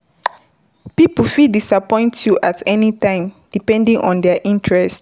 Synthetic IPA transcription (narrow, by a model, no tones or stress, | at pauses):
pipəfidisapɔ̃j̃ntjuʔatʰɛnitãɪ̃md̥ipɛ̃ndĩŋʔɔ̰̃ndɛʔĩntɹɛst